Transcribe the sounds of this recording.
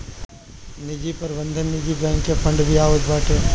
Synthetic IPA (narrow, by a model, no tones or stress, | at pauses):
nɪd͡ʒipɐɾʋə̃nd̪ʱə̃nːɪd͡ʒibɛ̃ːŋkːepʰɐ̃ɳɖbʱiaːʋəd͡ʒbaːʈʰeː